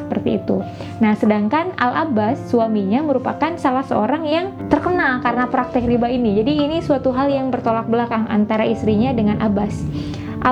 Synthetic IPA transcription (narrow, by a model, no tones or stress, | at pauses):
əpərt̪iːt̪u | nahsədaŋkana̰labasːuwamiɲaməɾupakansalahsəoɾaŋjaŋt̪ərkənalkaɾənapɾak̚t̪ɪkɾibainid͡ʒadiːnisuat̪uɦaljaŋbərt̪olak̚bəlakaŋa̰nt̪aɾaist̪ɾiɲadəŋanʔabas | ʔa